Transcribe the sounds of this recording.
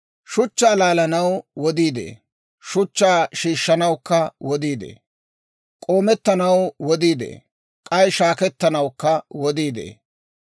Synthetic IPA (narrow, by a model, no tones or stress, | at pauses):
ʃʊt͡ʃːaːlaːlɐnɐwwɔd̪iːd̪ḛː | ʃʊt͡ʃːaːʃiːʃːɐnɐwkːɐwɔd̪iːd̪ḛː | kʼoːmɛt̪ːɐnɐwwɔd̪iːd̪ḛː | kʼɐjʃaːkɛt̪ːɐnɐwkːɐwɔd̪iːd̪ḛː